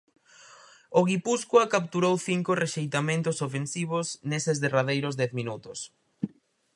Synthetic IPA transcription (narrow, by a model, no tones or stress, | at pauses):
oɣipuskwakap̚t̪uɾowθiŋkʊreʃejt̪amẽnt̪ʊsofensiβ̞ʊsnesɪzðeraðejɾʊzd̪ɛθmĩnut̪ʊs